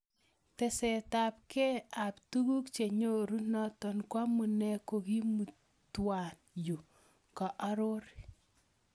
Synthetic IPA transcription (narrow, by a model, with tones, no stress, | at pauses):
tɛ˨sɛ˨ta˨p̚kɛ˦a˨ptu˦ɡu˦kt͡ʃe˨ɲo˦ɾu˦nɔ˦tɔ˨nkwa˦mu˨nɛ˦ko˨ki˦mu˨ | twa˨n | ju˨ | kɔ˨ʔa˦ɾʊ˦ɾ